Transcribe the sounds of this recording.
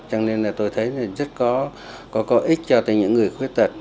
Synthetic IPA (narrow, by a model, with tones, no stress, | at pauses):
t͡ɕa˧ŋle˧nla˨˩t̪o˧jt̪ʰə˨˦ja˨˩zə˦˥t̚kɔ˨˦ | kɔ˨˦kɔ˨˦ʔi˦˥t̟̚t͡ɕɔ˧t̪a̰ː˧˩jɲɨ̰˧˥ŋːɨ˨˩əjxwi˦˥ət̚t̪ə˨˩t̚